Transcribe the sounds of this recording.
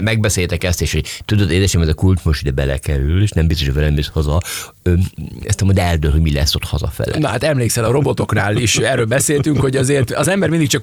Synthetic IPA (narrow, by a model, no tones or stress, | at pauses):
mɛɡ̚bɛseːjt̪ɛkɛst̪eːʃhoɟt̪ud̪od̪eːd̪ɛʃɛmɛzɛkult͡ʃmoʃtid̪ɛbɛlɛ̰kɛɾyleːʃnɛmbist̪oʃojvɛlɛmishɒzɒ | øɛ̰st̪ɛmond̪ɛɛld̪ølhoɟmilɛ̰sːot̪hɒzɒ̰fɛ̰lːɛ̰nɒha̰ːt̪ɛmleːksɛlɒɾo̞bo̞t̪o̞knaːliʃɛrːøːlbɛseːlt̪yŋkho̞ɟɒzeːrt̪ɒzɛmbɛɾmind̪ikt͡ʃɒk